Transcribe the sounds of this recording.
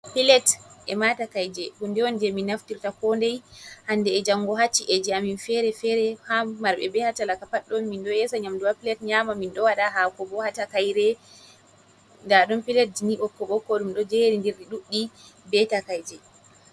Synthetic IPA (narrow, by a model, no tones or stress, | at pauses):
pilɛtʔɛmatakajd͡ʒɛhundɛwɔnd͡ʒɛminaftiɾtakɔndɛjhandɛːd͡ʒaŋːɡɔhat͡ʃːiʔɛd͡ʒɛaminfɛɾɛfɛɾɛhamːaɾɓɛ̰bɛhatalakapaɗːɔnminɗɔjɛsaɲamduwapilɛtɲamaminɗɔwaɗaɦakɔbɔhatakajɾɛ | ndaɗɔmpilɛt̚d͡ʒiniɓɔkːɔɓɔkːɔɗumɗɔd͡ʒeɾindiɾɗiɗuɗːibɛtakajd͡ʒɛ